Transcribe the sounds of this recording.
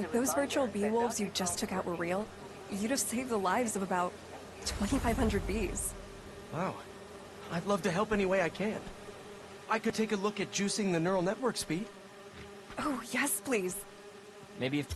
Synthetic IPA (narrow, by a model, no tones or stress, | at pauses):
ðoʊzvɜ˞t͡ʃul̩ˠbiwʊlˠvzjɨd͡ʒʌstʰʊkaʊʔwə˞ɹilˠ | jɨɾɨfseɪvðəlaɪvzʌvəbaʊtʰ | w̥ɛ̃ñifaɪv̥hʌ̃ndɹɨd̚biz̥ | waʊ | aɪlʌv̥tɨɦɛlˠpɛñiweɪaɪkʰɨ̃n | ʔaɪkɨd̚tʰeɪkəlʊkɨt̚d̥ʒ̥ʉsɪ̃ŋðɨnɜ˞l̩ˠnɛʔwə˞kspid̥ | oʊjɛspʰl̥iz̥ | meɪbiɨf